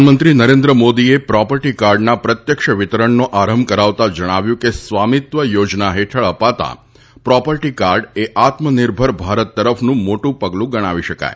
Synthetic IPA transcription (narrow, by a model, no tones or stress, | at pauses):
nmənt̪ɾinəɾẽnd̪ɾəmod̪iepɾɔpəɾʈikaɾɖnapɾət̪jəkʃəʋɪt̪əɾəɳnoʔaɾəmbkəɾaʋt̪ad͡ʒəɽ̃aʋjũkesʋamit̪ʋəjod͡ʒnaɦeʈʰəɭəpat̪a̰ | pɾɔpəɾʈikaɾɖeʔat̪mənɪɾbʱəɾbʱaɾət̪ːəɾəfʰnũmoʈũpəɡlũɡəɽ̃aʋiʃəka̰j